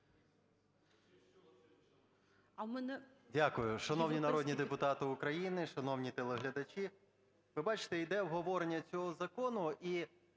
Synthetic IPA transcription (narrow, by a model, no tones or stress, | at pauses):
ɐmɛnɛ | dʲakʊjʊʃɐnɔwnʲinɐɾɔdʲnʲid̪epʊt̪ɑt̪ɪʊkɾɐjinɪʃɐnɔwnʲit̪elˠeɦlʲɐd̪ɐt͡ʃʲi | ʋɪbɑt͡ʃɪ̥t̪ɛid̪ɛwɦɔʋɔɾenʲːɐt͡sʲɔɦɔzɐkɔnʊʔi